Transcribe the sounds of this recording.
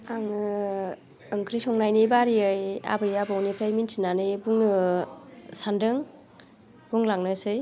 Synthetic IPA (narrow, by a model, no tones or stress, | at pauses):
aŋɯ | ɯŋkʰɾisɔŋnajnibaɾiɯja̰bɯjabɯwnipʰɾajminsʰinanɯbuŋnɯ | sandɯŋ | b̥uŋlaŋnɯsɯj